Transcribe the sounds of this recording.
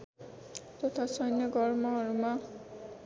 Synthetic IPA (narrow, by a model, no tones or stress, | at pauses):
t̪ɔt̪ʰasʌjnjʌɡʌrmʌɾuma